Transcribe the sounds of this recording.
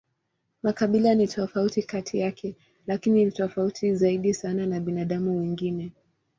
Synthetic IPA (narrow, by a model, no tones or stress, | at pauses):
makaɓilanitʰɔfautikatʰijakʰɛ | lakiniitɔfautʰizaiɗisananaɓinaɗamuwiŋɡinɛ